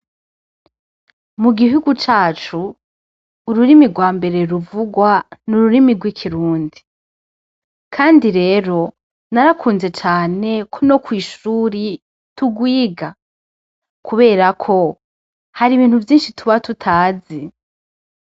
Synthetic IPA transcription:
muɡiɦuɡut͡ʃaːt͡ʃuː | ɾuɾimiɡwaːmbe̞ɾe̞ɾuvuɡwanuɾuɾimiɡwikʰiɾuːndi | kʰaːndiɾe̞ːɾo̞ | naɾakʰuːnze̞t͡ʃaːne̞kʰo̞no̞kwiːʃuːɾi | tuɡwiːɡa | kʰuβe̞ːɾakʰo̞ | haɾiβiːn̥huvjiːnʃituβatutʰaːzi

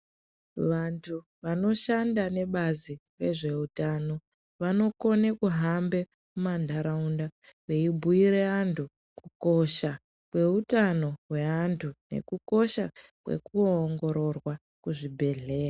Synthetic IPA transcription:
ʋantʰu | ʋano̞ʃandane̞ɓazi | re̞ʐe̞utano̞ | ʋano̞ko̞nekuɦambe̞ | mumandʱaɾaundawe̞ibʱuiɾe̞antʰu | kuko̞ʃa | kwe̞utano̞ɦwe̞antʰune̞̰kuko̞ʃakwḛkuoŋɡo̞ɾo̞rwa | kuʐibʱe̞ɮe̞ːra

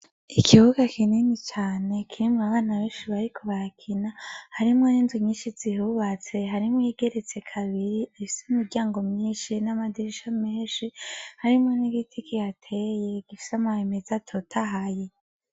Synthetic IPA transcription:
ikʰiβuɡakʰininit͡ʃaːne̞kʰiɾimŋaβaːnaβeːnʃiβaɾikʰoβakʰinahaɾimŋo̞niːnzimɲiːnʃiz̥ihuβat͡se̞ɦaɾimwiɡe̞ɾe̞t͡se̞kʰaβiɾiifiseumiɾɟaːŋɡo̞mɲiːnʃinamadiɾiʃameːnʃihaɾimŋo̞niɡitʰikijatʰe̞je̞ɡ̥ifi̥samaheme̞zatʰo̞tʰaɦaje

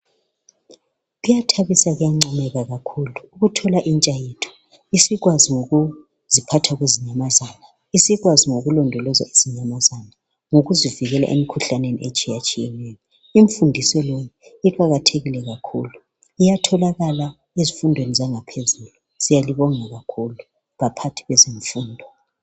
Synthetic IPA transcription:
ɣujatʰaβisaɣujaŋ͡ǀamɛɣaɣakʰuluːɣutʰɔlaʔint͡ʃʼajetʰu̥ | isiɣwaziŋoɣu | z̥ipʰatʰaɣweziɲamazaːna | isiɣwaziŋoɣulɔndʱɔlɔzaez̥iɲamazana | ŋoɣuziviɣɛla̰ʔḛmikʰuɬanenḭʔet͡ʃʼijat͡ʃʼijɛnɛjɔ | iɱfundʱisɔlɔjɛiǃʼaɣatʰeɣilɛɣakʰṵːlu | ijatʰɔlaɣala | ezifundʱwenizaŋapʰezulu | z̥ijaliβɔŋaɣakʰulu | βapʰatʰi̥ɣweziɱfuːndʱɔ

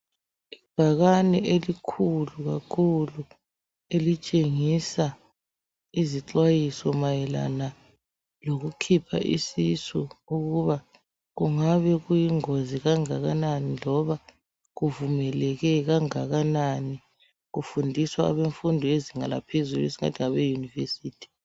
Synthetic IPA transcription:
i̥b̥ʱaɣanɛʔelikʰuluɣakʰulu | elit͡ʃʼeŋisa | iziǁwajisɔmajɛla̰na | loɣukʰipʰa̰ʔḭsisuuɣuβa | ɣuŋaβɛɣujiŋoziɣaŋaɣananilɔβa | ɣuvumɛlɛɣɛɣaŋaɣanani | ɣufundʱiswa̰ːβeɱfundʱɔeziŋala̰pʰezuluesi̥ŋa̰tʰiŋaβɛjunivḛsiːtʰi̥

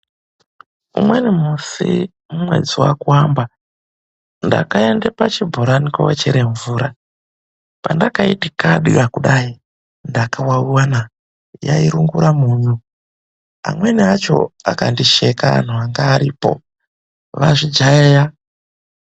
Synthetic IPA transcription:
ṵmwenimusi | mumwe̞̰d͡ziwa̰kuwamba | nda̰kaendepat͡ʃibʱoɾanikwowet͡ʃeɾeɱvuːɾa | pandakaitikaɗirakuɗai | ndakawawuwana | jaiɾuŋɡuɾamuɲu | a̰mwe̞niat͡ʃo̞̰akandiʃe̞kaa̰n̤uaŋɡaːɾiːpo̞̰ | ʋaʐid͡ʒaeja

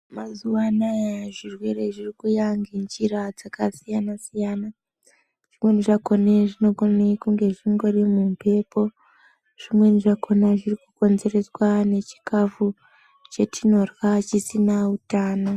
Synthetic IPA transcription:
mazuwanajaʐirwe̞ɾe̞ʐirikujaŋɡind͡ʒirad͡zakasijanasijana | ʐ̥imwe̞niʐako̞neʐino̞konekuŋɡe̞ʐiŋɡo̞rimumpʰe̞po̞ | ʐ̥imwe̞niʐako̞naʐirikuko̞nze̞re̞swane̞t͡ʃi̥kafu | t͡ʃe̞tʰino̞rwat͡ʃisinautaːno

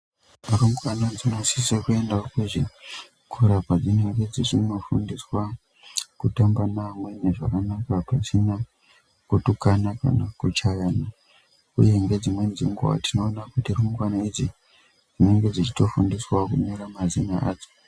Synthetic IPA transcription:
ruŋɡwanad͡zino̞sisekue̞ndaokweʐi | kʰuɾabad͡zine̞ŋɡe̞d͡ziʐino̞fundiswa | kutambanamwe̞ne̞ʐakanakapasina | kutukanaka̰nakut͡ʃajana | ṵje̞ŋɡe̞d͡zimwe̞nd͡ziŋɡuwa̰tino̞ːnakutirumuɡwanaid͡zi | d͡zine̞ŋɡe̞d͡zit͡ʃi̥to̞fundiswakumiɾamazinaʔa̰ːd͡zo̥

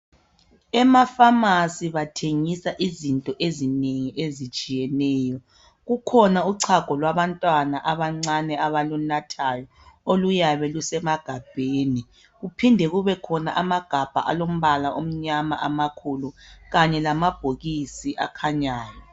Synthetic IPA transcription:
ɛmafamasiβatʰeŋisaʔizintʼɔʔezineŋiʔezit͡ʃʼijɛnɛːjɔ | ɣukʰɔnauǀʰaɡ̥ʱɔlwaβantʼwanaʔaβaŋ͡ǀanɛaβalunatʰajɔ | olujaβɛlusɛmaɡ̥ʱab̥ʱeːni | ɣupʰindʱɛɣuβɛkʰɔna̰ʔamaɡ̥ʱab̥ʱa̰ʔa̰lom̩βalaʔom̩ɲama̰ʔamakʰuluɣaɲɛlamab̥ʱoɣisiʔa̰kʰaɲaːjɔ

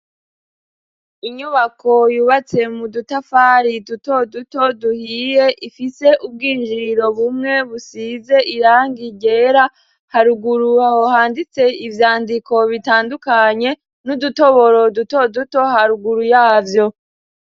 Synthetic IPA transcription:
iɲuβakʰo̞juːβat͡se̞mudutafaːɾiduto̞duto̞duhiːje̞ʔifise̞ʔub̚ɡiːnd͡ʒiɾo̞βumŋe̞βusize̞ʔiɾaːŋɡiɟe̞ɾa | haɾuɡuɾuahohaːndit͡se̞ivjaːndiko̞βitaːndukaɲe̞ | nuduto̞βo̞ɾo̞duto̞duto̞haɾuɡuɾujaːvjo̞

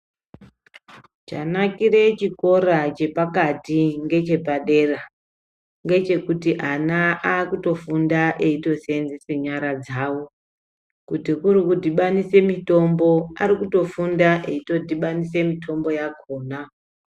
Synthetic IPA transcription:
t͡ʃanakire̞t͡ʃiko̞ɾat͡ʃe̞pakatiŋɡe̞t͡ʃe̞paɗe̞ra | ŋɡe̞t͡ʃe̞kutiʔanaaːkuto̞fundaʔeito̞senziseɲaɾad͡zaːwo | kutikuɾikudiɓanise̞mito̞mbo̞aɾikuto̞fundaʔeito̞dʱiɓanise̞mitʰo̞mbo̞jakʰo̞ːna

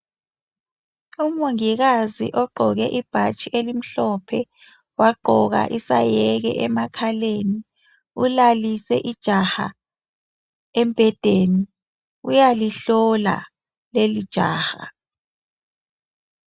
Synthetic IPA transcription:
umuŋiɣazḭʔɔɡ͡ǃʱɔɣɛʔib̥ʱat͡ʃʼiʔelim̩ɬɔpʰɛ | waɡ͡ǃʱɔɣa̰ʔisa̰jɛɣɛ̰ʔɛmakʰaleni | ulalisɛ̰ʔid̥ʒ̥ʱaxa̰ | em̩b̥ʱɛd̥ʱeni | ujaliɬɔla̰ | lelid̥ʒ̥ʱa̰ːxa

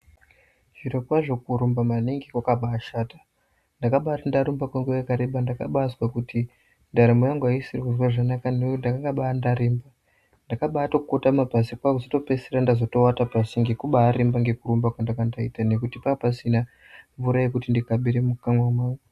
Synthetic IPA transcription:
ʐ̥iɾokwaʐo̞kuɾumbamaniŋɡikwakaɓaːʃaːtḁ | ndakaɓatandaɾumbakwaŋɡejakaɾeɓandaka̰ɓaswakutʰi | ndaɾemojaŋɡwaisirwuzwaʐanakanejondakaŋɡaɓaːndaɾeːmba | ndakaɓaːtokukotamabʱasikwakuzoto̞peseɾandazo̞to̞watapasiŋɡe̞kuɓaːɾembaŋɡe̞kuɾumbakwandakandaitane̞kutipapasina | ɱvuɾajekutindikaɓiɾemukaŋwamaːwo

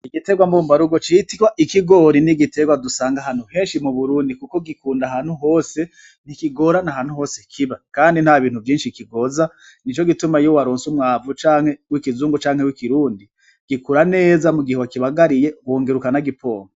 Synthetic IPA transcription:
iɡite̞ɡwambuːmbaɾuɡot͡ʃitikwaʔikiɡo̞ɾiniɡite̞ɡwadusaːŋɡaɦan̥huhe̞ːnʃimuβuɾuːndikuko̞ɡikuːndaɦan̥huɦoːse̞ | n̥ikiɡo̞ɾanaɦaːnhuho̞ːsekʰiβakaːndin̥haβiːn̥huvjiːnʃikiɡo̞za | nit͡ʃo̞ɡitumajowaɾoːnsumŋaːvut͡ʃaːŋhe̞wikizuːŋɡut͡ʃaːŋhe̞wikiɾuːndi | ɡ̥ikuɾane̞ːzamuɡihewakiβaɡaɾije̞wo̞ːŋɡe̞ɾukanaɡipʰo̞̰ːŋo

